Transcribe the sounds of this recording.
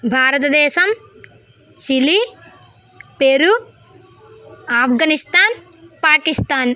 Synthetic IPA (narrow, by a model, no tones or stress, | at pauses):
bʱaːɾɐt̪ɐd̪ɛːʃɐm | t͡ʃili | peɾu | aːpɡɐnist̪aːn | paːkist̪aːn